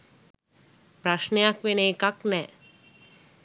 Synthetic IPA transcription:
pɾaʃnejakʋenekaknɛ

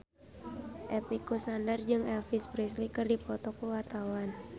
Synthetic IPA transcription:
ʔɛpikust̪andard͡ʒɨŋɛlfispɾislikɨrdipɔt̪ɔkəwart̪awan

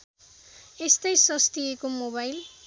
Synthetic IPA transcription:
est̪ʌjsʌst̪iekomobajl

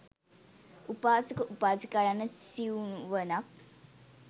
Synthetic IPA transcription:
upaːsəkəʔupaːsəkajanəsiunʋənak̚

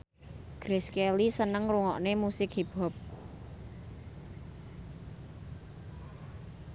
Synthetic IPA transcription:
ɡ̥ɾeskelisənəŋruŋɔʔnemusɪkhib̥ɔp̚

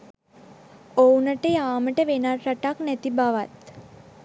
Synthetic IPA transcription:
ownəʈəjaːməʈəʋenarːaʈaknɛt̪ibaʋat̪

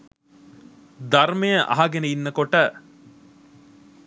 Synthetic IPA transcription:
d̪ɐɾmejəʔa̰ɦaɡeneinːɐkoʈə

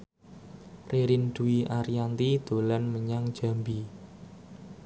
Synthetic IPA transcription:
reɾɪnɖ̪̥uiʔaɾiant̪id̪̥o̤lanməɲaŋ̥d͡ʒ̥a̤mbi

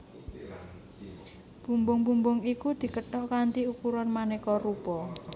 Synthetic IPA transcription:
b̥umbʊŋbumbʊŋikud̪̥i̤kəʈɔkant̪iukuɾɔnmanekɔrupɔ

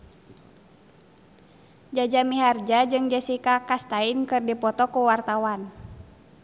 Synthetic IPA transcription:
d͡ʒad͡ʒamiɦard͡ʒad͡ʒɨŋd͡ʒɛsikakast̪ainkɨrdipɔt̪ɔkuwart̪awan

